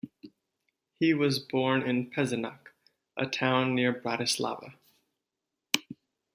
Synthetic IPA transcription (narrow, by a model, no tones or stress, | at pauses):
hiwʌzbɔɹnɪ̃npʰɛzɨnɑk | ʔə̰tʰãʊ̃nːɪɹbɹæɾɨslɑ̰və̰